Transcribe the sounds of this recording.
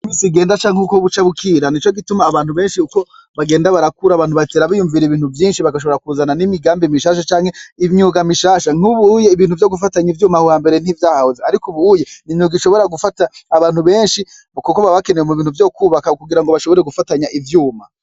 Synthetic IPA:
imisiɡe̞ːndat͡ʃaːŋhekoβut͡ʃaβukʰiːɾanit͡ʃoɡitumaːβaːn̥uβe̞ːnʃiuko̞ | βaɡe̞ːndaβaɾakuɾaːβaːnhuβaiteɾaβijuɱviɾeiβiːn̥huvjiːnʃiβaɡaʃ̬o̞βo̞ɾakuːzananimiɡaːmbimiʃaːʃ̬at͡ʃaːŋhe̞imɲuːɡamiʃaːʃaŋ̥uβuːjeiβiːnhuvjo̞ɡufataɲivjuːmahuhaːmbe̞ɾe̞n̥ivjaːhahozeaɾikuβujenimɲuɡiʃo̞βo̞ɾaɡufataːβaːn̥huβe̞ːnʃi | βukukoβaβakenewemuβiːn̥uvjo̞ːkuːβakakuɡiɾaŋɡo̞βaʃo̞βo̞ɾe̞ɡufataɲaʔivjuːma

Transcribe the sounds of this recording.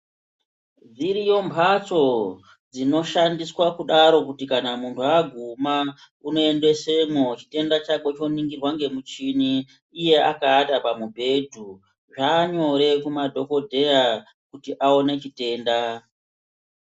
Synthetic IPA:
d͡ziɾijo̞mbʱat͡so̞ | d͡zino̞ʃandiswakuɗaɾo̞kutikanamuntʰuaɡʱuma | uno̞e̞nde̞se̞mot͡ʃi̥te̞ndat͡ʃaɓo̞t͡ʃo̞niŋɡirwaŋɡe̞mut͡ʃiniː | je̞ʔa̰kaːtapamubʱe̞dʱu | ʐaːɲo̞ɾe̞kumadʱo̞ko̞dʱe̞ja | kutiʔao̞ne̞t͡ʃite̞ːnda

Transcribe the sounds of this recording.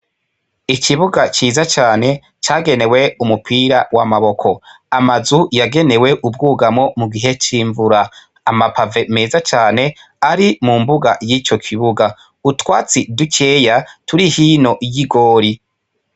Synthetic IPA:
ikiβuɡat͡ʃiːzat͡ʃaːne̞ | t͡ʃaːɡe̞ne̞we̞umupʰiːɾawamaβo̞kʰo̞ | amazujaɡe̞ne̞we̞ʔub̚ɡuːɡamŋo̞muɡiɦe̞t͡ʃiːɱvuɾaː | mapave̞me̞ːzat͡ʃaːne̞ | aɾimuːmbuɡajiːt͡ʃo̞kʰiβuɡa | utwaːt͡siduke̞ːjatuɾihiːno̞ʔjiɡo̞ːɾi

